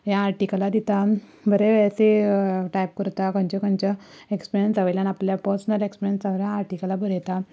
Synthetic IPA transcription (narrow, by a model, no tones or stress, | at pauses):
jaːɾʈikəlad̪it̪a | bʱəɾeʋaseʈajp̚kəɾt̪akə̃nt͡ɕɔkə̃nt͡ɕa | ekspiɾijənsaʋəjljanapljapəɾsənəlekspiɾijənsaʋljaːɾʈikəlabʱəɾjɛt̪a